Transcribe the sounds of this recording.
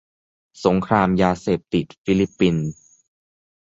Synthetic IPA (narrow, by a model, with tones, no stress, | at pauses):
so˩˦ŋkʰɾaː˧mjaː˧seː˨˩p̚t̪i˨˩t̪̚fi˧˥li˦˥pːi˧n